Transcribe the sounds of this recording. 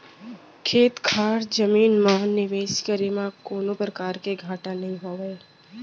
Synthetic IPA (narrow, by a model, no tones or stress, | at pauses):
kʰeːt̪kʰaːɾd͡ʒəmiːnmãnɪʋeːʃkəɾemãkoːnõpɾəkaːɾkeɡʱaːʈanɐɦĩɦoːʋeː